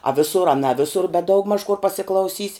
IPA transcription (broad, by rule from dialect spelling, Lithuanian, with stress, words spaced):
ɐ ˈʋʲɪsʊr ɐ nɐ ˈʋʲɪsʊr bʲɛt ˈdɐʊɡmɐʃ kʊr pɐsʲɪklˠɐʊˈsʲiːsʲ